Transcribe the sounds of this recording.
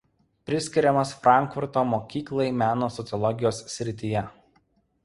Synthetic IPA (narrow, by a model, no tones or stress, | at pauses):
pʲɾʲɪsʲkʲɪɾʲɛmɐsfɾɑˑŋkfʊɾt̪oːmoːkʲiːklˠɐɪmʲæːnoːsɔt̪sʲɨlˠɔɡʲɪjoːsːʲɾʲɪt̪ʲijɛ